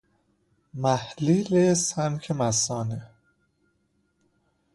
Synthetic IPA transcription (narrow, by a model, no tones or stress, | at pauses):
mæhliːlesæncʰemæsɒːne